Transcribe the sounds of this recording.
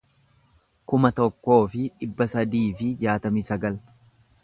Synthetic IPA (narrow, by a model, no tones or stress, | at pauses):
kʊmɐt̪ɔkːo̞ːfɪᶑɪbːɐsɐd̪iːfɪd͡ʒaːt̪ɐmisɐɡɐl